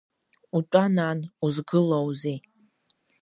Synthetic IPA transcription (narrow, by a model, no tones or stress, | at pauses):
utʷʼanaːnuzɡɨlowzi